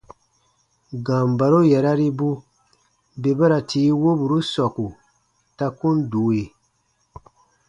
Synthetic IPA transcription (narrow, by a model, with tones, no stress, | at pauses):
ɡã˨m˨ba˨ɾo˦jɛ˨ɾa˦ɾi˦bu˦ | be˨ba˦ɾa˨tʰiː˨˦wo˦bu˨ɾu˦sɔ˨ku˨ | ta˦kũ˦n˦duː˨˦e˨